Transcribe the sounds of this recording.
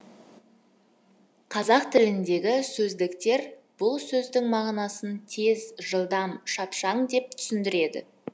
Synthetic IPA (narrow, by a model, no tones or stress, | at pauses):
qʰɑzɑqt̪ʰɪlɪnd̪e̞ɡʲɪsɵzd̪ɪkt̪e̞ɾb̥ʊlˠsɵzd̪ɪŋmɑʁnɑsənt̪ʰe̞zʒəlˠd̪ɑmʃɑpʃɑɴd̪e̞p̚t̪ʰʏ̥sɪnd̪ɪɾe̞d̪ɪ̰